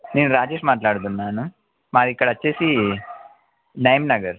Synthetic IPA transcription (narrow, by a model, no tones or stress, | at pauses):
niːnuɾaːd͡ʒeːʂmaːʈlaːɽd̪unnːaːnu | maːɾikːɐɽɐɐt͡ʃːeːsi | nɐjmnɐɡɐɾ